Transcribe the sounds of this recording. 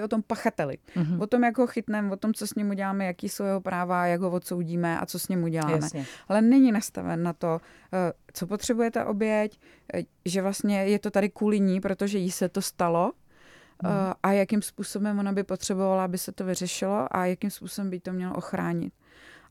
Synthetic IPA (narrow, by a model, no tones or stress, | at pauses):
ot̪o̞mpaxat̪ɛlɪ̰vot̪o̞mjaɡɦo̞xɪt̪nɛmvot̪o̞mt͡so̞sɲɛmuɟɛlaːmɛjakiːsowjɛɦo̞pɾaːvajaɡɦovot̪so̞wɟiːmɛʔa̰t͡so̞sɲɛmuɟɛlaːmɛalɛnɛɲɪnast̪a̰vɛ̰nːat̪o̞ | t͡so̞pot̪r̝̥ɛbujɛt̪ɛ̰ʔo̞bjɛc | ʒɛvlast̪ɲɛjɛt̪o̞t̪adɪkuːlɪɲiːpɾo̞t̪o̞ʒɛjisɛt̪o̞st̪alo̞ | ʔajakɪmspuːso̞bɛmvo̞nabɪpo̞t̪r̝̥ɛbo̞valaabɪsɛt̪o̞vɪrɛʃɪlo̞ʔa̰jakɪmspuːsobɛmbɪjit̪o̞mɲɛlo̰ʔoxɾa̰ːɲɪ̰t̪̚